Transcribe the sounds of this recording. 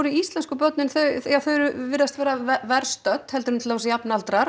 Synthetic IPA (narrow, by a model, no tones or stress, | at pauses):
ɾʏiist̪lɛnskʏpœt̪nɪnθœɥjaθœɥɾʏvɪɾast̪vɛːɾavɛɾ̥st̪œt̪ːhɛlt̪ʏɾmnt̪ʰɪlavɔsɪjapnalt̪ɾaɾ